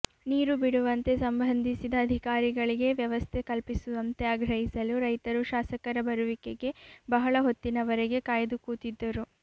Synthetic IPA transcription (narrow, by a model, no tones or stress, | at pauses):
niːɾubiɽuʋɐnt̪e̞sɐmbʱɐnd̪ʱisid̪ɐːd̪ʱikaːɾiɡɐɭiɡe̞ʋjɐʋɐst̪ʰe̞kɐlpisuʋɐnt̪e̞aːɡɾɐɦisɐluɾɐjt̪ɐɾuʃaːsɐkɐɾɐbɐɾuʋike̞ɡe̞bɐɦɐɭɐɦo̞t̪ːinɐʋɐɾeɡe̞kaːjɐd̪ukuːt̪id̪ːɐɾu